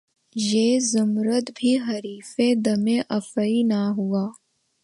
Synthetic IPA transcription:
jeːzʊmɾət̪bʱiɦɐɾiːfed̪ɐmẽʔɐfəinaɦuaː

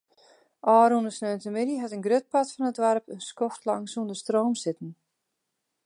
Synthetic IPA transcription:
ɔɾunʏsnœnt̪ɪmɪɾiɦat̪ɪŋɡɾʏt̪̚pat̪fɪnat̪vaɾpʏnskɔft̪laŋsund̪ʏst̪ɾoːwmsɪt̪nɪ

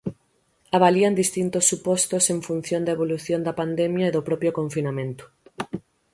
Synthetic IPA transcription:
aβaliɐnd̪ist̪int̪osːupɔst̪oseɱfun̟θjond̪ɐaeβoluθjond̪ɐpand̪ɛmjɐeðopɾɔpɾjokoɱfinamẽnt̪ʊ̥

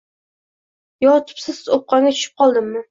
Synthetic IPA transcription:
jɒt̪ʰɪ̥psɪzop̚qɑɡʲatt͡ʃʰʊ̥ʃɪp̚qʰɒlˠd̪ɪmːɪ

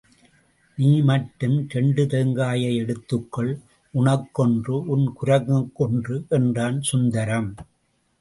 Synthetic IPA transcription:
niːmɐʈːɯmtɛɳɖɯt̪ɛŋɡaːjɐɪɛɽɯt̪ːɯkːɐɭ | ʔʊɳɐkːɔndrɯʔʊnkʊɾɐɣɯkːɔndrɯʔɛndraːnsʊnd̪ɐɾɐm

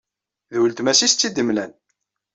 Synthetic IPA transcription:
ðwəlt̪mæsist̪t͡sːid̪əmlæn

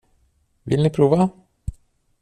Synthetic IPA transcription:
vɪ̰lnɪpʰɾuːva

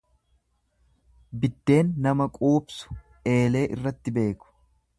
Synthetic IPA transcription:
bɪd̪ːe̞ːnːɐmɐkʼuːbsʊ̥ | e̞ːle̞ːʔɪrːɐt̪ːɪbe̞ːkʊ̥

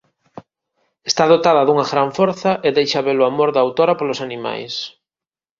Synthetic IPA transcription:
est̪aðot̪aðɐðuŋaɣɾaɱfoɾθɐʔeðejʃaβeloamoɾðaːwt̪oɾɐpolosanima̰js

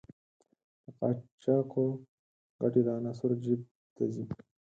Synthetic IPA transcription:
t̪əqɑ̰ːt͡ʃaːqo | ɡɐʈiɾaːnasuɾd͡ʑib̚ | t̪ɐzi

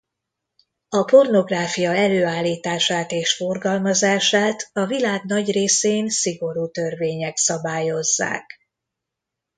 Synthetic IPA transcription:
ɒpo̞rno̞ɡraːfijɒɛløːaːlːiːt̪aːʃaːt̪eːʃfo̞rɡɒlmɒzaːʃaːt̪ɒvilaːɡnɒɟreːseːnsiɡo̞ɾuːt̪ø̞rveːɲɛksɒbaːjo̞zːa̰ːk

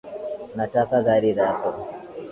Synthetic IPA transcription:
natakaɡaɾidakɔ

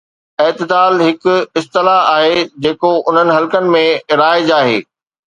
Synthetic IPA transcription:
eːt̪ɪd̪aːlɦɪkɪst̪ɪlaaːɦed͡ʑeːkoʔʊn̤ənɪ̆ɦɐlkənɪ̆mẽɾaːɪd͡ʑaːɦḛː

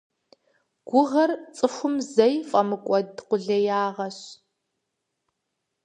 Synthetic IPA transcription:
ɡ̥ʷʊʁɐrt͡sʼɨxʷʊmzɐjfʼɐmɨkʷʼɔdqʷʊɮɐjaːʁɐɕ

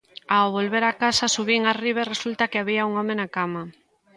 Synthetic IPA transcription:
awβolβeɾakasasuβiŋariβ̞eresult̪ɐkeaβiauŋɔmenakama

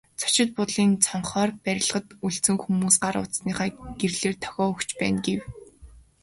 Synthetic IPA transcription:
t͡sʰɔ̥t͡ɕɪ̆t̪̚pʊt̪ɮiːnt͡sʰɔɴχɔːrpæɾʲɪ̆ɮ̆ʁə̆t̪uɮt͡sɘ̆ŋxumuːsɢaɾʊ̰t̪sniːχæːɡ̥erɮeːrt̪ʰɔ̥ɣʲɔːɵkt͡ɕpæːnɡew

